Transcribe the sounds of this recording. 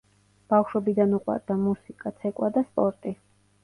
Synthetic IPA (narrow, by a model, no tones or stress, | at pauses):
b̥afʃwɔbid̪anuqʼwa̰ɾd̪amusikʼat̪sʰɛkʼwad̪aspʼɔɾt̪ʼi